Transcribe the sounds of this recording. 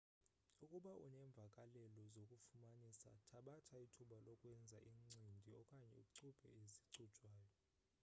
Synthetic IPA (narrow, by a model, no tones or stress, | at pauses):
ukʼuɓaʔṵnɛɱb̪vʱakʼalɛlɔzokʼufumanisa̰tʰaɓatʰaitʰuɓalɔkʼwɛnd͡zʱaʔiŋ͡ǀindʱiɔkʼaɲɛ̰uǀub̥ʰʼʱɛ̰eziǀud̥ʼʱwaːjɔ